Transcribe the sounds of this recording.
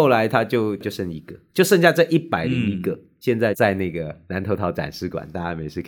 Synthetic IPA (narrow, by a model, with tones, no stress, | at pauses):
ʊla˧˥ɪt̪ʰa˥t͡ɕjo˥˧ʊt͡ɕjo˥˧ʊʂə˥˧˩ŋi˧˥ɡ̥ə˨t͡ɕjo˥˧ʊʂɤ˥˧ŋɕja˥˧t͡sə˥˧ʔi˥˩pa˨˩ɪli˧˦˥ŋi˧˥ɡə˨ | ɕjɛ˥˧nt͡sa˥˧ɪt͡sa˥˧ɪna˥˩ɡə˩na˧˥nt̪ʰo˧˥ʊt̪ʰɑ˧˥ʊʈ͡ʂa̰˨˩nʂɻ̩˥˩kwa̰˨˩nt̪a˥˧t͡ɕa˥˩me˨˧ɪʂɻ̩˥˩kʰ